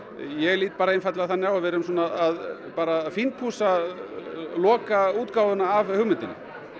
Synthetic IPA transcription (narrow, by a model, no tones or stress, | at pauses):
jɛliːt̪̚paːɾaenfat̪laθanjawavɛɾʏms̬ɔːnaðaðpaːɾafint̪ʰhuːsa | lɔːkauːt̪kaːwðʏnaːvhʏɣmʏnt̪ɪnːɪ̰